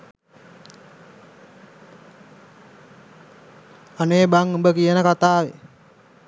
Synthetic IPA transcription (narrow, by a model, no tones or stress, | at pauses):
anebaŋəmbəkiənakat̪aːwi